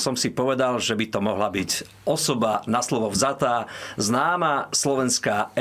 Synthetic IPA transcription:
sɔmsipɔʋɛd̪alʒɛbit̪ɔmɔɦlabiɟ | ɔsɔbanaslɔʋɔvzat̪aːznaːmaslɔʋɛnskaːɛ

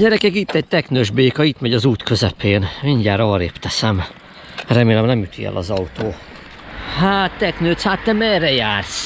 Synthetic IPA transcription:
ɟɛɾɛkɛkit̪ːɛɟ̚t̪ɛknøːʒbeːkɒit̪mɛɟɒzuːt̪kʰø̞zɛpeːnmiɲɟaːɾɒːɾeːpt̪ɛsɛm | rɛmeːlɛmnɛmjut̪ʰiɛ̰lʔɒ̰zɒut̪oː | haːt̪ːɛknøːt̪shaːt̪ːɛmɛrɛjaːrs

